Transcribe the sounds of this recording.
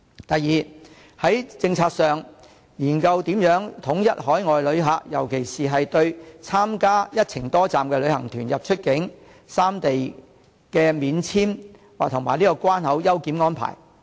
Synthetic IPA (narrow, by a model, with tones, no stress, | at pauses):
t̪ɐ˨jːiː˨ | hɐ˨˥jt͡sɪ˧ŋt͡sʰaː˧k̚sœː˨ŋ | jiː˨˩nkɐ˧wt̪iː˨˥mjœː˨˥ŋt̪ʰʊ˨˥ŋjɐ˥t̚ɦɔː˨˥jŋɔː˨jlɵ˨˧ɥɦaː˨˧k̚jɐ˨˩wkʰe˨˩jsiː˨ɦɐ˨jt̪ɵ˧ɥt͡sʰaː˥mkaː˥jɐ˥t̚t͡sʰɪ˨˩ŋt̪ɔː˥t͡saː˨mkɛː˧lɵ˨˧ɥhɐ˨˩ŋt̪ʰyː˨˩njɐ˨p̚t͡ʃʰɵ˥t̚kɪ˨˥ŋ | saː˥mt̪e˨j | kɛː˧miː˨˧nt͡sʰiː˥m | waː˨k̚t̪ʰʊ˨˩ŋma̰ː˨˩jniː˥kɔː˧kwaː˥nhɐ˨˥wjɐ˥wkiː˨˥mŋɔː˥npʰa̰ː˨˩j